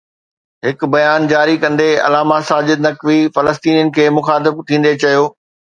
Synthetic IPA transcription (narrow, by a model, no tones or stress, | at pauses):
ɦɪkʊbɐjaːnd͡ʑaːɾikɐ̃nd̪eɐ̰laːmasaːd͡ʑɪd̪nɐkʋifɐləst̪iːnijənɪ̆kʰeːmʊxaːt̪̬ɪbt̪ʰĩːnd̪et͡ɕɐjoː